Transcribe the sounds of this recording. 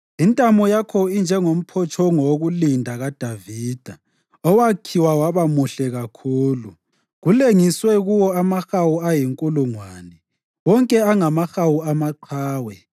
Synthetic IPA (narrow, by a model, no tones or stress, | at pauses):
intʼamɔjakʰɔind͡ʒʱɛŋom̩pʰɔt͡ʃʰɔŋɔɣulindʱaɣad̥ʱaviːd̥ʱa | ɔwakʰiwawaβamuɬɛɣakʰuːlu | ɣuleŋiswɛɣuwɔamaxawuajiŋkʼuluŋwaːnɛ | wɔŋkʼɛaŋamaxawuamaǃʰaːwɛ